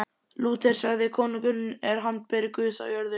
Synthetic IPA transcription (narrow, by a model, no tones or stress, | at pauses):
luːt̪ɛɾ̥saɣðɪkʰɔːniŋkʏnːmɛɾ̥ɦant̪̚pɛɾɪkʏsa̰wjœɾðʏ